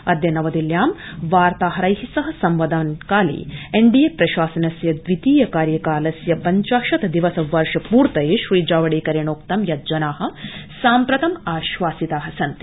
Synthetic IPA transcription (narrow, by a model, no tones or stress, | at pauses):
ɐd̪jɐnɐʋɐd̪iljaːmʋaːɾt̪aːɦɐɾɐjɦisɐɦɐ̆sɐmʋɐd̪ɐnkaːlḭːeɳɖijepɾɐʃaːsɐnɐsjɐd̪ʋit̪iːjɐkaːɾjɐkaːlɐsjɐpɐɲt͡ʃaːʃɐt̪ɐd̪iʋɐsɐʋɐɾʂɐpuːɾt̪ɐjeʃɾiːd͡ʒaːʋɐɽeːkɐɾeɳoːk̚t̪ɐmjɐd͡ʒɐnaːɦɐ̆saːmpɾɐt̪ɐmaːʃʋaːsit̪aːɦɐsɐnt̪i̥